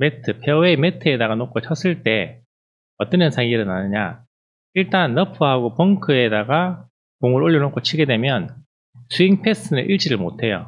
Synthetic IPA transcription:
metʰɯpʰeweme̞tʰɯe̞daɡanok͈ʰot͡ɕʰʌs͈ɯɭt͈e̞ | ʌt͈ʌnɲʌnsʰaŋiɾɯnanɯɲa̰ | iɭt͈anːʌpʰɯɦaɡopʌŋkʰɯe̞daɡa | koŋɯɾoʎːinok͈ʰot͡ɕʰiɡe̞dwe̞mjʌn | sʰuiŋpʰes͈ɯnɯ̰ʔiɭt͡ɕ͈iɾɯɭmotʰe̞jo̰

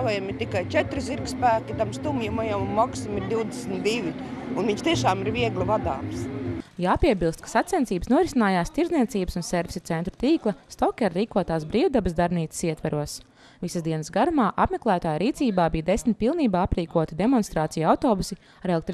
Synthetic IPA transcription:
avajamiɾt̪ikajt͡ʃɛt̪ɾɪziɾkspæːkʲit̪amst̪umjamajamunmɔksimiɾd̪iwd̪esnt̪d̪iʋʲiunviɲʃt̪iɛʃaːmiɾviɛɡlʲivad̪aːmsjaːpiɛbilˠst̪̚kḁsat̪sʲɛnsiːbəsnuɔɾisinaːjaːst̪iɾzniɛt̪siːbəsunseɾvisʲit̪sent̪ɾu̥t̪iːklˠɐst̪ɔkʲɛɾːiːkuɔt̪aːsbɾiːwd̪abəzd̪aɾniːt̪ssiɛt̪vaɾuɔs | visəsd̪iɛnəsɡaɾumaːʔapmeklˠæːt̪aːjɾiːt̪siːbaːbijd̪esmit̪̚pilˠniːbaːapɾiːkuɔt̪id̪emɔnst̪ɾaːt̪sijuawt̪oːbusi | aɾelek̚t̪ɾ

